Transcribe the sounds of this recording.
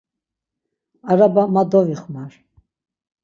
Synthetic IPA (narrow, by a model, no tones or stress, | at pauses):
aɾabamad̪ɔviχmaɾ